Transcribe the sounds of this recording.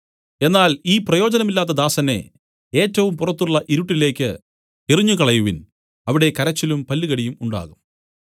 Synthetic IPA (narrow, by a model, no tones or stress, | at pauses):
e̞nːaːliːprɐjo̞ːd͡ʑɐnɐmilːaːt̪ːɐd̪aːsɐne̞̰ | eːtːɐʋumpurɐt̪ːuɭːɐʔiɾuʈːile̞ːkʲːɨ | iriɲːukɐɭɐjuʋin | ɐʋiɽe̞kɐɾɐt͡ɕːilumpɐlːiɣɐɽijumuɳɖa̰ːɣum